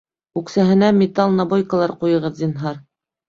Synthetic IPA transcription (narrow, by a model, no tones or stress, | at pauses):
ʉksæɦɘ̆næmʲet̪ɑlˠnabojkə̆lˠɑɾqujɤ̆ʁɤðd̪ʲinɦɑɾ